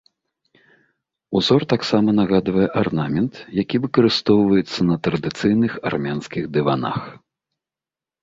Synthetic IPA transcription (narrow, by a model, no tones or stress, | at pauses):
uzɔrt̪aksamɐnɐɣad̪vɐjɛʔarnamʲɛnt̪jakʲivɨkɐɾɨst̪ɔwvɐjɛt̪sːɐnɐt̪ɾɐd̪ɨt̪sɨjnɨxa̰rmʲanskʲiɣd̪ɨvana̰x